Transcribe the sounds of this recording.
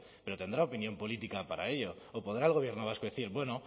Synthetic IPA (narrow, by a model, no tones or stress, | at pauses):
pe̞ɾo̞t̪e̞nd̪ɾaopinjo̞mpo̞lit̪ikapaɾae̞ʎo̞ːpo̞ðɾaelɣo̞β̞je̞ɾnoβ̞askoðeθiɾbwe̞no